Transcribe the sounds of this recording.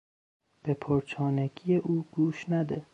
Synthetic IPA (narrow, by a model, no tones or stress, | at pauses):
b̥epʰoɾt͡ʃʰɒːnæɡʰijeʔuːɡ̥uːʃnæd̪e